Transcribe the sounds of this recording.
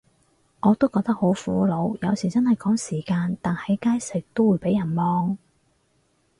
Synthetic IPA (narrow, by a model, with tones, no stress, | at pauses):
ŋɔː˨˧t̪o˥wkɔː˧k̚t̪ɐ˥k̚ho˨˥wfuː˨˥lo˨˧wjɐ˨˧wsiː˨˩t͡sɐ˥nhɐ˨jkɔː˨˥ŋsiː˨˩kaː˧nt̪aː˨nhɐ˨˥jkaː˥jsɪ˨k̚t̪o˥wu˨˧jpe˨˥jɐ˨˩nmɔː˧ŋ